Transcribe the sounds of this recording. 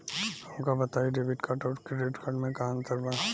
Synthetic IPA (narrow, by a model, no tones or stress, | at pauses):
ɐmkabɐt̪aːiɖeːʋɪʈkaːʈɔːɾkɖeːʈkʰaːɾɖmẽkaɦãnt̪əɾba